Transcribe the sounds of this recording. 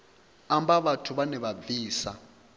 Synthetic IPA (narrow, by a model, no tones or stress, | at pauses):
ambaβatʰuβanɛβabiːsa̰